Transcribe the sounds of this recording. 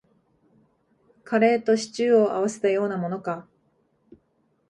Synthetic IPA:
kʰaɾe̞ːt̪o̞ɕi̥t͡ɕɨːo̞ʔa̰βase̞̥t̪ajo̞ːnamo̞no̞ka

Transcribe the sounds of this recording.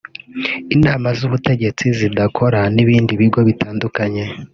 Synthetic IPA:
inaːmazuβute̞ɟe̞t͡sizidakʰo̞ɾaniβiːndiβiɡo̞βitʰaːndukaɲe̞

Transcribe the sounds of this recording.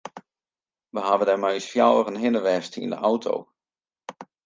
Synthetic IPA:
ʋəɦaʋədarmɛjsfjawərənɦɪnəʋɛstḭndə̰ʔawtʰo̰w

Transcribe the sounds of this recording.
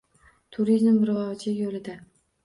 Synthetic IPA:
t̪ʰʊɾizmbɪɾʁɒvt͡ʃʰajolɪd̪a

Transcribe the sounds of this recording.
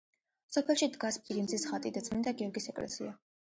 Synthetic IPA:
sɔpʰɛlˠʃid̪ɡaspʼiɾinzisχat̪ʼid̪at̪sʼmind̪aɡiɔɾɡisɛkʼlɛ̰sḭa

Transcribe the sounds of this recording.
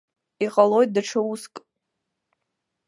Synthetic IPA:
iqʼalo̞jt̚daʈ͡ʂʰauskʼ

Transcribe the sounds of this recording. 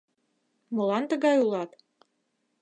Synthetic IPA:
mɤ̆lɑnt̪ə̆ɣɑjulˠɑt̪

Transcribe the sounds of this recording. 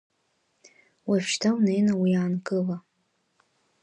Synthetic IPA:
wafʃtʰawnejnawiaːnkʼɨla

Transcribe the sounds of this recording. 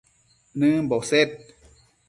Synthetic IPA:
nɨbɔset̚

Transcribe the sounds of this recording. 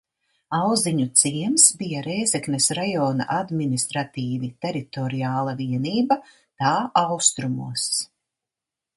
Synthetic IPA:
awziɲut̪siɛmsbijaɾɛjzɛknesɾajɔːna̰ʔad̪minist̪ɾat̪iːvit̪ɛɾit̪ɔɾijaːlˠaviɛniːba | t̪aːʔawst̪ɾumṵɔs

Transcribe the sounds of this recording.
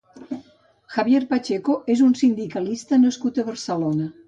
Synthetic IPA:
xaβjeɾpat͡ʃekoʔezunsind̪ikɐlist̪ənəskut̪əβəɾsəlonə

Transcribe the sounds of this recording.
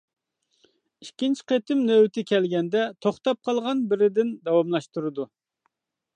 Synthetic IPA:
ikʲint͡ʃʰi̥qet̪ɪmnøwt̪ʰɪkʲʰɛlɡʲɛnd̪ɛt̪ʰoχt̪ɑp̚qʰɑlˠʁɑnbɪɾɪd̪ɪnd̪ɑwɑmlˠɑʃt̪uɾɨd̪u

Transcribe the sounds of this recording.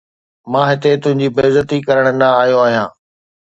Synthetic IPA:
mãːɦɪt̪et̪ʊ̃ɦɪ̃ɲd͡ʑiːbeːzət̪ikɐɾəɽ̃ənd̪aːɦjoaːɦijãː

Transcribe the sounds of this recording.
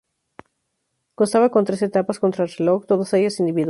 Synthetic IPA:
konst̪aβakont̪ɾe̞se̞t̪apasko̞nt̪ɾalok̚t̪oðoseʝosind̪iβið

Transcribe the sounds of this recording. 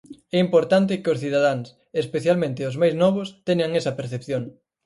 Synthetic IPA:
ɛimpoɾt̪ant̪̬ɪkɪʊsθiðað̞aŋs | espeθjalmẽnt̪ɪozmajznɔβ̞ost̪ɛɲaŋɛsɐpeɾθepθjoŋ

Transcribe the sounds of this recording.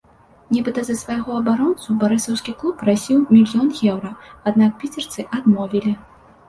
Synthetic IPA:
nʲibɨt̪ɐzɐsvajɣɔɐbaɾɔnt̪subaɾɨsɐwskʲiklˠupːrasʲiwmʲilʲjɔnjʲɛwɾɐad̪nak̚pʲit͡sʲɛrt̪sɨʔad̪mɔvʲilʲi

